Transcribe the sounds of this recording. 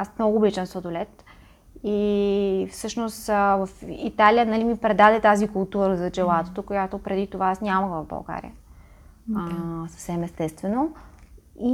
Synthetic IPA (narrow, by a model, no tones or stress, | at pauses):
asmnɔɡʊːbit͡ʃɛnsod̪olɛt̪ | i | fsɤʃnost̪vəfit̪alijənɐlimipɾɛd̪ad̪ɛt̪azikolˠt̪uɾəzɐd͡ʒɛlˠat̪o̥t̪okojat̪opɾɛd̪it̪ovaasnʲaməɣvəvbɐ̰lˠɡa̰ɾʲḭə | sə̥fsɛmɛst̪ɛst̪vɛno | i